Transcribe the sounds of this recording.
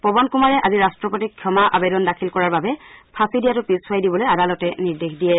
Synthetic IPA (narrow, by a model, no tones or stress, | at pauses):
pɔbɔnkumaɹɛʔaziɹastɹɔpɔtikʰjɔmaʔa̰bɛdɔndakʰilkɔɹaɹbabɛpʰasidijatʊpisajdibɔlojadalɔtɛniɹdexdijɛ